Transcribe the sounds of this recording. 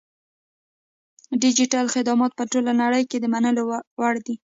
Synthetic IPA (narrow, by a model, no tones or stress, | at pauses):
ɖɪd͡ʒiʈalxɪd̪ɑmɑt̪̚pəʈolanaɽəjked̪əmanəlowaɽd̪i